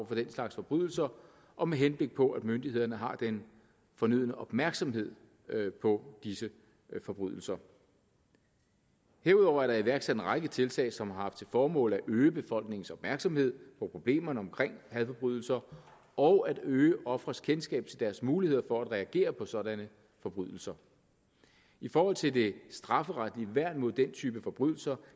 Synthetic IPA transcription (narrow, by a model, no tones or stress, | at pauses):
fɒ̽d̥enslɑ̈ɡ̥sfɒ̽b̥ʁyðˠl̩sɐ | ʔɒ̽meɦenb̥le̝ɡ̥̚pʰɒ̽ʔæd̥mønd̥ihe̝ð̰ˠɐnəɦɑ̈d̥en | fɒ̽nyð̞̰ˠnəʔɒ̽b̥mæɐɡ̥sɒ̽mɦe̝ð̞̰ˠ | pʰɒ̽d̥isə | fɒ̽b̥ʁy̰ðˠl̩sɐ | he̝ɐuð̞ˠɒʊ̰ɐæɐɾ̥ɑ̈iʋæɐɡ̥sæd̥enʁaɡ̥ət͡sʰe̝lt͡sʰɛ̰ːsɒ̽mhɑ̈hɑ̈fd̥̚t͡sʰe̝lfɒːmɔ̰̽ːlæʔøːəb̥e̝fɒ̽l̰ɡ̥ne̝ŋn̩sɒ̽b̥mæɐɡ̥sɒ̽mhe̝ð̞̰ˠpʰɒ̽pʰʁo̝b̥le̝̰ːmɐnəɒ̽mkʰʁeŋ̰hæðˠfɒb̥ʁyð̞ˠl̩sɐ | ɒ̽ʊʔæd̥øːəʔɒ̽fʁɐskʰensɡ̥ɛ̰ːb̥̚t͡sʰe̝ld̥æɐsmuːlihe̝ð̞̰ˠɐfɒ̽æd̥ʁɛæɡ̥e̝̰ːɐpʰɒ̽sɒ̽ɾænə | fɒ̽b̥ʁyðˠl̩sɐ | ifɒːhɒ̽l̰t͡sʰe̝ld̥e̝sd̥ʁɑ̈fəʁad̥liəʋæɐ̰d̥mɔ̝ð̰ˠd̥ent͡sʰyːb̥əfɒ̽b̥ʁyð̰ˠl̩sɐ